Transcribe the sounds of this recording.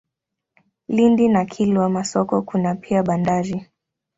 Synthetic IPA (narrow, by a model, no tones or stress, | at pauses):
lindinakʰilwamasɔkɔkunapiaɓandaɾi